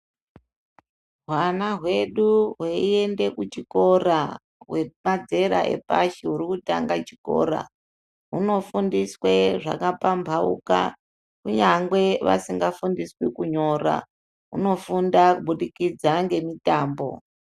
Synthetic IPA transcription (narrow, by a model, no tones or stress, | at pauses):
ɦwanaɦwe̞ɗuɦweie̞nde̞kut͡ʃiko̞ra | ɦwe̞mad͡ze̞ɾa̰ʔe̞̰paʃiɦuɾikutaŋɡat͡ʃi̥ko̞̰ːɾa̰ | ɦuno̞fundiswe̞ʐa̰kapambʱaṵka̰ | kuɲaŋɡwe̞ʋa̰siŋɡafundiswikuɲo̞ra̰ | ɦṵno̞fundakuɓuɗikid͡zaŋɡe̞mitaːmbo̞̰